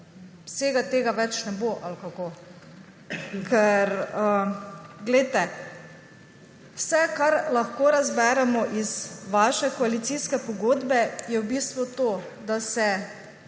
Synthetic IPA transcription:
seːɡat̪eːɡaʋɛt͡ʃnɛboʔalkakoː | kʰɛɾəɡlɛjt̪ɛ | wsɛkaɾlaxkoːɾazbɛːɾɛmɔʔizʋaːʃɛkɔalit̪siskɛpɔɡoːd̪bɛjɛwbist̪ʋut̪oː | d̪asɛ

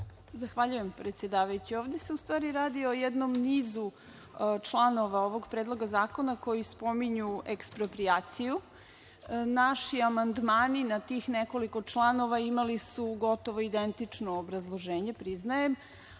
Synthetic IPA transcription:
zaxʋaʎujempɾet̪sʲje̞d̪aːʋajut͡ɕioːʋd̪e̞se̞ust̪ʋaːɾiɾaːd̪io̞jɛd̪nomniːzu | t͡ʃlˠano̞ʋaoʋo̞ɡpɾeːd̪lˠo̞ɡazaːko̞nako̞jispo̞miɲuekspɾopɾiaːt̪siju | naʃiamand̪maːninat̪iːxneko̞liko̞t͡ʂlˠano̞ʋaimalisuɡo̞t̪o̞ʋo̞id̪e̞nt̪it͡ʂnoːbɾazlˠo̞ʒeːɲe̞pɾiznajem

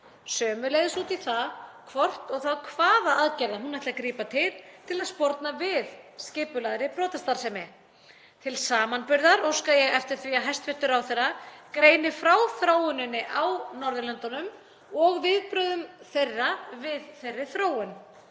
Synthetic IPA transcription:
sœːmʏlejðɪsuːt̪iθakʰvɔr̥t̪ɔɣθaðkʰvaːðaaðcɛɾðaɦunajht̪lakɾiːpat̪ʰɪlt̪ʰɪlaðspɔɾt̪navɪðscɪːpʏlaðɾɪpʰɾɔːt̪ʰɛst̪aɾ̥sɛmɪ | t̪ʰɪlsaːmanpʏɾðaɾowskaðjɛɣɛft̪ɪɾ̥θviaɦajst̪vɪht̪ːʏɾawθejrakɾeːjnɪfɾawθɾoːwʏnɪnːɪʔawnɔɾðʏlɛant̪ɔnʏm | ɔɣvɪðpɾʏðʏmθejrːavɪðθejrːɪθɾoːwʏn

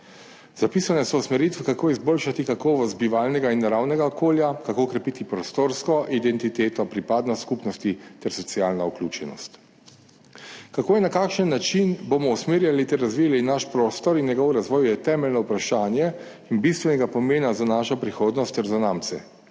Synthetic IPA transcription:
z̥apisanɛsɔusmɛɾit̪ʋɛkakoːizboːlʃat̪ikakɔːʋɔst̪̚biʋalnɛɡainːaɾawnɛɡaɔkoːljakakoːkɾɛpit̪ipɾɔst̪oɾskɔʔid̪ɛnt̪it̪eːt̪ɔpɾipaːd̪nɔskupnɔst̪it̪ɛɾsɔt̪siaːlnauklʲuːt͡ʃɛnɔ̰st̪ | kakoːjɛnakaːkʃənːat͡ʃinbomɔusmeːɾjalit̪ɛɾːazʋijalinaʃpɾoːst̪ɔɾinjɛɡɔwɾazʋɔːjjɛt̪ɛːmɛlʲnɔupɾaʃaːnjɛ | inbist̪ʋɛnɛɡapɔmeːnazanaːʃapɾixoːd̪nɔst̪ːɛɾzanaːmt̪sɛ

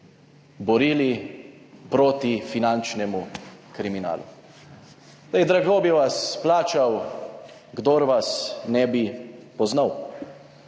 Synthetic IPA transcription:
bɔɾiːli | pɾoːt̪ifinant͡ʃnɛmukɾimina̰ːlṵ | ɛjd̪ɾaɡobiʋasplaːt͡ʃaw | ɡd̪oɾʋasnɛbipɔznaw

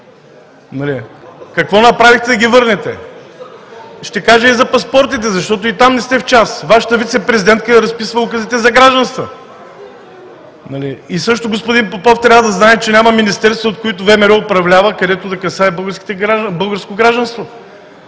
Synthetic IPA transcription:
nɐlikɐkvɔnɐpɾavixt̪ɛd̪ɐɡʲivɤɾnɛt̪ɛ | ʃt̪ɛkaʒɛizɐpɐspɔɾt̪it̪ɛzɐʃt̪ɔt̪̬ʊit̪amnɛst̪ɛft͡ʃasvaʃə̥t̪əvit̪sɛpɾɛzid̪ɛnt̪̚kəɾɐspisvəlˠokɐzit̪ɛzɐɡɾaʒd̪ɐnst̪və̰ | nɐliisɤʃt̪ʊɡospʊd̪inpopɔft̪ɾʲavəd̪ɐznaɛt͡ʃɛnʲamɐminist̪ɛɾst̪vɐot̪̚kʊit̪ʊvɛmɛɾɛʊpɾɐvlʲavəkɐd̪ɛt̪ʊd̪ɐkɐsaɛbɤlˠɡəɾskʲi̥t̪ɛbɤlˠɡəɾskoɡɾaʒd̪ɐnst̪vo

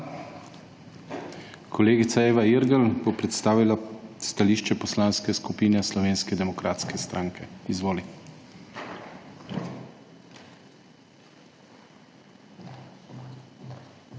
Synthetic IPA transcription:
kʰɔleːɡit̪saeːʋaiɾɡəlbopɾɛt̪st̪aːʋilast̪aliːʃt͡ʃɛpɔslaːnskɛskupiːnɛslɔʋeːnskɛd̪ɛmɔkɾaːt̪skɛst̪ɾʔaːŋkʰɛizʋoːli

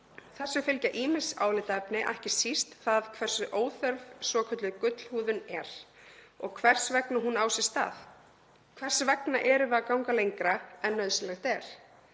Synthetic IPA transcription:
θɛsːʏfʏlcaʔiːmɪsa̰ːwlɪt̪aɛpnɪʔa̰hcɪ̥sist̪θaðkʰvɛr̥sʏʔoːwθœɾvsvɔːkʰœt̪lʏkʏt̪l̥huːðʏnɛɾ̥ | ɔɣkʰvɛr̥svɛknaɦunaːwsɛ̥st̪a̰ːθ | kʰvɛr̥svɛknaʔɛɾʏvɪakawŋkalejŋkɾaɛnːœðsɪlɛxt̪ɛɾ̥

